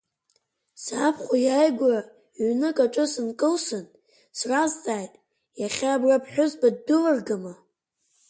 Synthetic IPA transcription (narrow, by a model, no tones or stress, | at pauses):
sapʰχʷajajɡʷara | ɥnɨkʼaʈ͡ʂʷʼɨsɨnkʼɨlsɨn | srazd͡zʼaːjtʼ | jaχʲaːbrapʰħʷᶣʊzbaddɨlɨrɡama